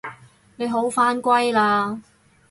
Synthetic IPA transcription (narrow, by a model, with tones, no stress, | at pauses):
ne˨˧jɦo˨˥wfaː˥nkʷɐ˥jlaː˧